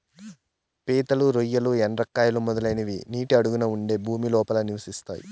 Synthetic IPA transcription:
piːt̪ɐluɾujːɐluɛnɾɐkːaːjɐlumɔd̪ɐlɐjnɐʋiniːʈiɐɽuɡunɐuɳɖe̞ːbʱuːmilɔːpɐlɐniʋɐsist̪a̰ːjḭ

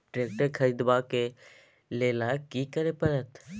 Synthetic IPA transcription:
ɖɾeːk̚ʈəɾkʰəɾiːd̪baːke | leːlakiːkəɾepəɾət̪

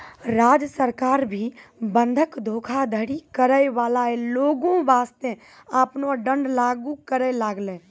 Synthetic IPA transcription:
ɾaːd͡ʒsəɾkaːɾbʱibə̃nd̪ʱəkd̪ʱoːkʰad̪ʱəɽikəɾəeʋaːlaeloːɡõbaːst̪e | apnoɖə̃ɳɖlaːɡukəɾelaːɡlẽ

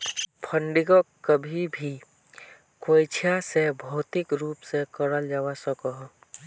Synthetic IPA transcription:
pʰəɳɖɪɡə | kːəbʱibʱi | kojt͡ʃʰijasebʱɔːt̪ɪkɾuːpsekəɾəld͡ʒawasəkəɦ

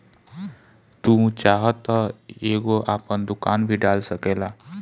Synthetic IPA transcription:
t̪ũt͡ʃaːɦət̪ːəeɡoʔaːpənd̪ʊkaːnbʱiɖaːlsəkeːlaː

